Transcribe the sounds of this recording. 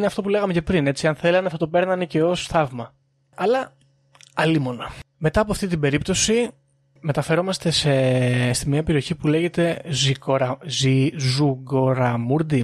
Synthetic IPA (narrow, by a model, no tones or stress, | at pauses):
neɐft̪o̞pule̞ɣɐmece̞pɾine̞t͡siɐnθe̞lɐnɐfot̪ope̞ɾnɐnece̞o̞sθɐvmɐ | ɐlɐ | ɐlimo̞nɐme̞t̪ɐːpoɐft̪it̪ibe̞ɾip̚t̪o̞si | me̞t̪ɐfe̞ɾo̞mɐst̪e̞sest̪imɲiɐpe̞ɾio̞çipule̞ʝe̞t̪e̞zioɾɐzizuɡo̞ɾɐmuɾd̪i